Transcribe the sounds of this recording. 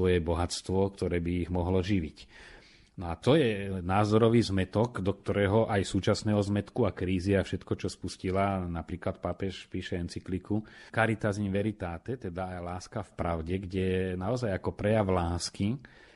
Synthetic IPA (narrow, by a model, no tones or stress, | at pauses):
ʋɔjɛbɔɦat͡st̪ʋɔkt̪ɔɾɛːbiːɣmɔɦlɔʒiʋic | nɔat̪ɔjɛnaːzɔɾɔʋiːzmɛt̪ɔɡd̪ɔk̚t̪ɔɾɛːɦɔʔajsuːt͡ʃasnɛːɦɔzmɛt̪kuakɾiːziafʃɛt̪kɔt͡ʃɔspuscilanapɾiːklat̪̚paːpɛʃpiːʃɛɛnt͡siklikukaɾit̪azinʋɛɾit̪aːt̪ɛt̪ɛd̪aːjlaːskafpɾaʊɟɛɡɟɛnaɔzajakɔpɾɛjaʋlaːski